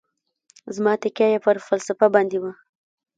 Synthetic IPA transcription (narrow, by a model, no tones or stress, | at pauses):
zmɑt̪ɪkjajapəɾfalsafabɑnd̪ewa